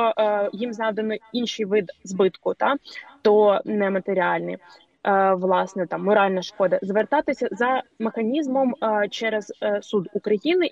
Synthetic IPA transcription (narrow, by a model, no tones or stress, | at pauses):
jimznɑʋd̪enɔinʲʃɪjʋɪd̪zbɪt̪kʊt̪ɑt̪ɔnɛmɐt̪eɾʲiɑlʲnɪ̰j | ʋlˠɑsnɛt̪ɑmːɔɾɑlʲnɐʃkɔd̪ɐzʋert̪ɑt̪ɪsʲɐzɐmexɐnʲizmɔmt͡ʃɛɾɛz̥sud̪ukɾɐjinɪ